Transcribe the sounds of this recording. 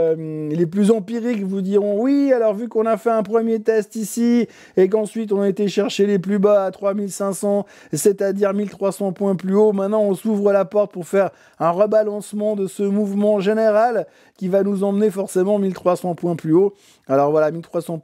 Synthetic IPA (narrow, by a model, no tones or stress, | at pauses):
leplyzɑ̃piʁikvud̪iʁɔ̃wialɔʁvykɔ̃nafɛɛ̃pχəmjet̪ɛst̪isi | ek̬ɑ̃sɥit̪̬ɔ̃naet̪eʃɛʁʃeleplybaːt̪χwamilsɛ̃sɑ̃ | set̪ad̪iʁmilt̪χwasɑ̃pwɛ̃plyomɛ̃t̪nɑ̃ɔ̃suvʁəlapɔʁt̪̚puʁfɛʁ | ɛ̃ʁəbalɑ̃smɑ̃d̪əsəmuvmɑ̃ʒeneʁal | kʲivanuzɑ̃mənefɔʁsemɑ̃milt̪χwasɑ̃pwɛ̃plyo | alɔʁvwalamilt̪χwasɑ̃